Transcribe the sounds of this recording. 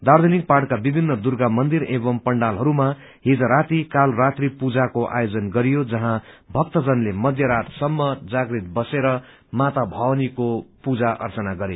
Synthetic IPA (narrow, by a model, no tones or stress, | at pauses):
d̪aɾd̪ʱenik̚parʈkabibʱinːʌd̪urɡamʌnd̪iɾebʌmpʌɳɖalɦʌɾuma | ɦid͡zʌɾat̪ikalrat̪ripud͡zakoʔa̰jod͡zʌnɡʌɾijod͡zʌɦãbʱʌkt̪ʌd͡zʌnlemʌd̪ʱjʌɾat̪sʌmːʌd͡zaɡrit̪̚bʌseɾʌ | mat̪abʱʌwnikopud͡zaʔʌ̰rt͡sʌnaɡʌɾe